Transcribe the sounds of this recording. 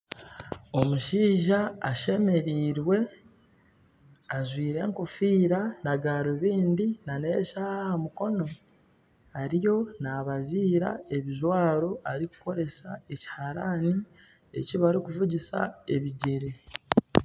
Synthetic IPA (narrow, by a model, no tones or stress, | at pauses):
o̞muʃiːʒaaʃe̞me̞ɾiːɾwe̞ | azwiːɾe̞ːŋkofiːɾanaɡaːɾoβiːndinane̞ʃahamuko̞no̞ | aɾijo̞naːβaziːɾa̰e̞βiʒwaːɾo̞aɾiku̥ko̞ɾe̞sae̞ci̥haɾani | e̞̰ciβaɾikuvuɟisa̰e̞βiɟe̞ɾe̞